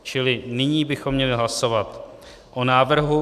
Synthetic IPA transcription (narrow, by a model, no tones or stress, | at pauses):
t͡ʃɪlɪnɪɲiːbɪxo̞mːɲɛlɪɦlaso̞vat̪ | ʔonaːvr̩ɦu